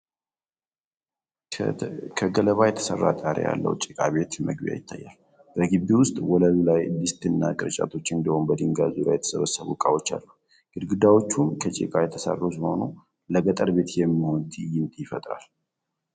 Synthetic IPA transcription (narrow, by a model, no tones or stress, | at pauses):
kʰəɡələβajɛt̪ʰə̥sə̰rːa̰t̪ʼaɾḛja̰lːə̰wt͡ʃʼikʼaβe̞t̪məɡbija̰jɪt̪ʰːajːalː | b̥əɡɨβiwʊst̪ʼwɔləlilajbist̪ɨnːakʼɨɾt͡ʃʼa̰t̪ʰo̞t͡ʃːɨnd̪əho̞nbəd̪ɨŋɡazula̰jɛt̪ʰə̥səβəsəβṵkʼawot͡ʃːa̰lːəw | ɡ̥ɨd̪ɡɨd̪awo̞t͡ʃːunkʰət͡ʃʼḭkʼajɛt̪ʰəsa̰rːosiho̞nu | ləɡət̪ʼəɾbe̞t̪jɛmːiho̞nt̪ʰijɪmt̪ʼjɪfət̪ʼɾa̰l